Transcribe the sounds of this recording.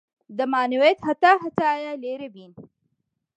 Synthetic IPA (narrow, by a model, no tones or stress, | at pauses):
d̪əmaːniwet̪hat̪aɦat͡sajaleɾebin